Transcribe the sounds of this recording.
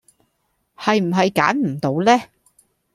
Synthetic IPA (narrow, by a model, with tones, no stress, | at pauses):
hɐ˨jm̩˨˩ɦɐ˨jka̰ː˨˥nm̩˨˩t̪o˨˧˥wlɛː˥